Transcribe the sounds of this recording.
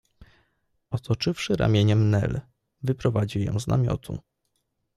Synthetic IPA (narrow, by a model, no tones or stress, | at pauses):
ɔt̪ʰɔt͡ʂɘfʂɘɾa̰mʲjeɲɛmnɛ̰l | vɘpɾɔvad͡ʑiwjɔ̰̃w̃znʔa̰mʲjɔ̰t̪ʰṵ